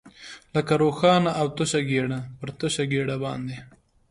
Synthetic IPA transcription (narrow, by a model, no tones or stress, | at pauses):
ləkaɾoːxɑːnaʔawt̪ʊʃaɡeɽapəɾt̪ʊʃaɡeɽabɑ̰ːnd̪e